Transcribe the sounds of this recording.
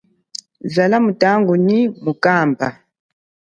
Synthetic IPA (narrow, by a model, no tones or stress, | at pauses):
zalamutaŋɡunimukaːmba̰